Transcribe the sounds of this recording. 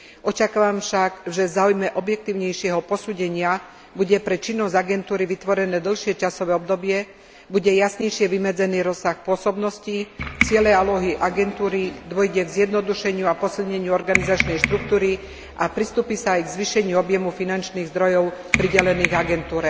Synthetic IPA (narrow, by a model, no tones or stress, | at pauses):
ʔɔt͡ʃakaːʋamfʃaɡvʒɛvzaːujmɛʔɔbjɛk̚t̪iːʊɲɛjʃɪɛɦɔpɔsuːɟɛɲɪa | buɟɛpɾɛt͡ʃinːɔzɟaɡɛnt̪uːɾiʋit̪ʋɔɾɛnɛːd̪l̩ˠʃɪɛt͡ʃasɔʋɛːɔbd̪ɔbɪɛ | buɟɛjasɲɛjʃɪɛʋimɛd͡zɛniːɾɔsːaxpʊɔsɔbnɔscit͡sɪɛlɛalɔɦiʔaɡɛnt̪uːɾid̪ʋɔjɟɛɡzjɛd̪nɔd̪uʃɛɲɪuapɔsilɲɛɲɪuɔɾɡanizat͡ʃnɛjʃt̪ɾuk̚t̪uːɾi | ʔapɾist̪uːpisaːjɡzʋiʃɛɲɪuɔbjɛmufinant͡ʃniːɣzd̪ɾɔjɔʊ | pɾiɟɛlɛniːɣaɡɛnt̪uːɾɛ